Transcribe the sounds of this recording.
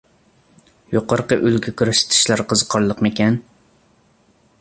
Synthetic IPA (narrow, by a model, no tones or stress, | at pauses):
joqʰɑɾqəʔylɡʲɛkʲʰyɾæʃt̪ʰɪ̥ʃlæɾqʰəzqʰɑɾlˠəqmekʲɛn